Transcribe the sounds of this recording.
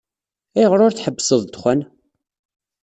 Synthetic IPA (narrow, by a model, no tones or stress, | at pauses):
æjəʁɾʊɾθħəbːsəðˤd̪χʷæn